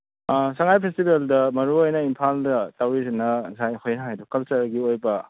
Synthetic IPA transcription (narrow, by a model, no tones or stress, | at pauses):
saŋajpʰestibeldɐmɐɾuojnɐimpʰaldɐtawɾizenɐzajhojnajdɔkɐlt͡ʃɐɾɡiojbɐ